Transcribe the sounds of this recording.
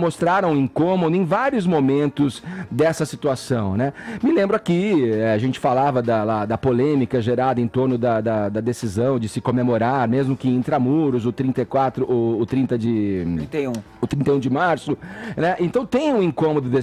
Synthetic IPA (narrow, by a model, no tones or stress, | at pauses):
most̪ɾaɾɐ̃w̃ẽŋkõmod̪ʊẽj̃vaɾjʊzmomẽnt̪ʊzd̪ɛsɐsit̪uasɐ̃w̃nɛmɪlẽmbɾʊakiɛaʒẽnt͡ʃɪ̥falavɐd̪ɐlad̪ɐpolẽmikɐʒeɾad̪ɐẽt̪oɾnʊd̪ɐd̪ɐd̪ɐd̪esizɐ̃w̃d͡ʒɪsɪkomemoɾaɾmezmʊkɪẽnt̪ɾamuɾʊzʊt̪ɾĩnt̪ɐjkwat̪ɾʊʔʊːt̪ɾĩnt̪ɐd͡ʒɪt̪eũ | ʊt̪ɾĩt̪ɐejũd͡ʒɪmaɾsʊnɛʔẽnt̪ɐ̃w̃t̪ẽj̃ũẽkõmod̪ʊd̪e